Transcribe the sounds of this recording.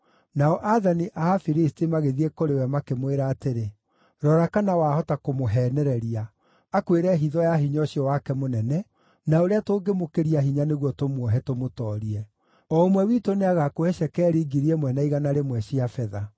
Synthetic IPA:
naɔʔaðaniʔaafiɾistimaɣeðiekoɾewɛmakemweɾaːteɾe | ɾɔɾakanawahɔtakomoɦɛːnɛɾɛɾia | akweɾɛɦiðɔjaɦiɲɔɕiɔwakɛmonɛnɛ | naoɾeatoːɡemokeɾiaɦiɲaneɣwɔtomwɔɦɛtomotɔːɾiɛ | ɔomwɛwitoneaɣakoɛʃɛkɛːɾiɡiɾiɛmwɛnaiɣanaɾemwɛɕiafɛða

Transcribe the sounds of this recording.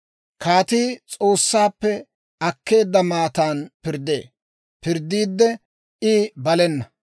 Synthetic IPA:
kʰaːt̪iːt͡sʼo̞ːsːaːpːɛ | ɐkːe̞ːd̪ːɐmaːt̪aːnpɪɾd̪ḛː | pɪɾd̪ːiːd̪ːɛ | ʔɪbɐlɛnːɐ

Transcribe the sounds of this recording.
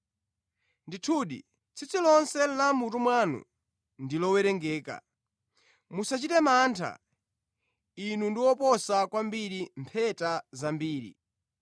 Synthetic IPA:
nditʰuɗḭ | t͡sʰit͡sʰilɔnsɛlamutumwanṵ | ndilɔwɛɾɛŋɡɛːka̰ | musat͡ʃitɛmantʰa̰ | inundiwɔpɔsakwambiɾimpʰɛtazambiːɾḭ

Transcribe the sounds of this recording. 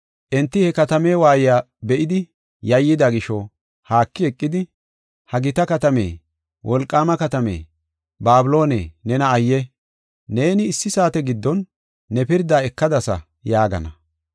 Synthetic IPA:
ʔɛnt̪ːɪhɛkɐt̪ɐme̞ːwaːjɪjaː | bɛʔɪd̪ɪ | jɐjːɪd̪aɡɪʃɔ | haːkːɪɛkʼːɪd̪ɪ | hɐɡɪt̪ɐkɐt̪ɐmḛː | wʔɔlkʼːaːmɐkɐt̪ɐmḛː | baːbɪlo̞ːnḛːnɛnɐːjːɛ | ne̞ːnɪːsːɪsaːt̪ɛɡɪd̪ːɔnː | ɛpɪɾd̪aːɛkːɐd̪ɐsɐ̰ | jaːɡɐ̰nɐ̰

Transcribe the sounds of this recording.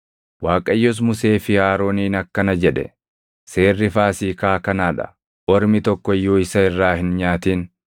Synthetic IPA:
waːkʼɐjːɔs̬mʊse̞ːfɪhaːɾo̞ːniːnɐkːɐnɐd͡ʒɛᶑɛ̰ | seːrːɪfaːsiːkaːkɐnaːᶑɐ̰ | ʔɔɾmɪt̪ɔkːɔɪjːoːɪsɐɪrːaːhɪnɲaːt̪iːn

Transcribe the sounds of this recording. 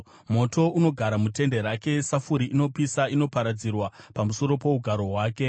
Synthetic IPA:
mo̞to̞uno̞ɡʱaɾamute̞nde̞ɾake̞safuɾiʔino̞pisaino̞paɾad͡zirwapamuso̞ɾo̞po̞uɡʱaɾo̞ɦwaːke̞

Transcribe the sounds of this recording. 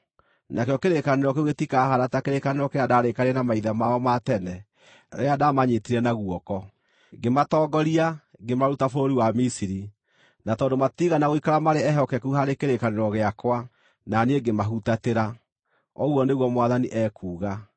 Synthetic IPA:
nʔakejɔkeɾekaneɾɔkeoɣetikaɦaɾatakeɾekaneɾɔkeadaːɾekaɾɛnamaiðamaɔmatɛnɛ | ɾeadamaɲetiɾɛnaɣwɔkɔ | ɡematɔːɡɔɾiaɡemaɾutafoɾoɾiwamisiɾi | natɔːndomatiɣanaɣoikaɾamaɾeɛɦɔkɛkuɦaɾekeɾekaneɾɔɣeakwa | naneeɡemaɦutateɾa | ɔɣwɔneɣwɔmwaðaniʔɛkʰuːɣa

